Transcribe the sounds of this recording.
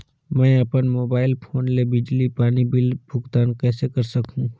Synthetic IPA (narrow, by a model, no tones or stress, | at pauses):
mɛ̃ːɐpənmoːbaːɪlpʰoːnlebɪd͡ʒlipaːnibɪlbʱʊɡt̪aːnkɛːsekɐɾsɐkɦũ